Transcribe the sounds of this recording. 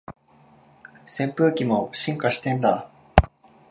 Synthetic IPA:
sẽ̞mpɯ̟ːkʲimo̞ɕĩŋkaɕi̥t̪ẽ̞nd̪a

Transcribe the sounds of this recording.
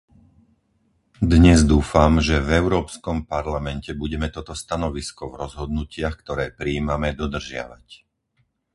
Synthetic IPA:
d̪ɲɛzd̪uːfamʒɛvɛʊɾɔːpskɔmpaɾlamɛncɛbuɟɛmɛt̪ɔt̪ɔst̪anɔʋiskɔvɾɔzɦɔd̪nucɪaxkt̪ɔɾɛːpɾiːmamɛd̪ɔd̪r̩ʒɪa̰ʋa̰c

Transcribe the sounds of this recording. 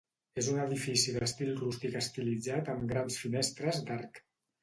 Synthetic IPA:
ezunəðifisiðəst̪ilˠrust̪ikəst̪ilid͡zat̪əmɡɾansfinest̪ɾəzd̪aɾk

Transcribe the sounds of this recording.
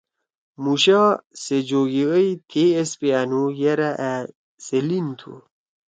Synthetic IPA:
muɕased͡ʑoɡiəjt̪ʰeespeanujeɾaʔæ | selint̪ʰṵ

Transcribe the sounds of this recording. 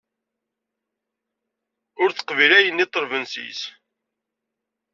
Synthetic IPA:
ʊɾθə̥qvilæjənːit̪ˤːəɾvənsḭs

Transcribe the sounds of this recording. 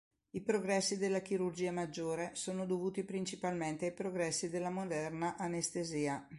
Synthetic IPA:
ipɾoɡɾɛsːid̪elːak̟iɾurd͡ʒiːamad͡ʒːoːɾesoːnod̪ovuːt̪ipɾint͡ʃipalment̪eajpɾoɡɾɛsːid̪elːamod̪ɛrnaʔanest̪eziːa

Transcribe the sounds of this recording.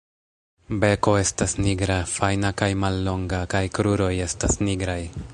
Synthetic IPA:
be̞ko̞e̞stasniɡɾafajnakajmalːo̞ŋɡakajkɾuɾo̞je̞stasniɡɾaj

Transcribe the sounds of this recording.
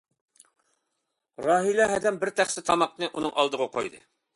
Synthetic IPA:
ɾɑɦilæɦɛd̪ɛmbɪɾt̪ʰæχsɪt̪ʰɑmɑqnɨʔunɨŋʔɑlˠd̪əʁɑqʰo̰jd̪ɨ̰

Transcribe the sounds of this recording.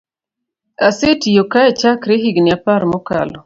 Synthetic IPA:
asetijokaet͡ʃakɾeɦiɡniapaɾmɔkalɔ

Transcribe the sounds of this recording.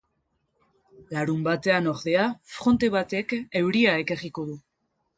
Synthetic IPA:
laɾumbat̪e̞ano̞ɾðe̞afɾo̞nt̪e̞βat̪e̞ke̞wɾiaekeriko̞ðu

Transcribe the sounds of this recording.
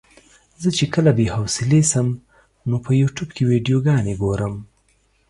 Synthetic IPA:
zət͡ʃekəlabehawsɪlesəm | nopəjuʈubkewiɖijoɡɑneɡoɾəm

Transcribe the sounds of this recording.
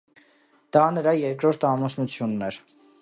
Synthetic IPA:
d̪̥ɑnəɾɑjɛɾkɾɔɾt̪ʰɑmɔsnut͡sʰjunːɛɾ

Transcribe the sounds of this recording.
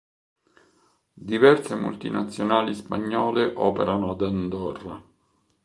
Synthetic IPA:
d̪ivɛrsemṵlt̪inat̪sːjonaːlispaɲːɔːleʔɔːpḛɾanoad̪and̪ɔrːa

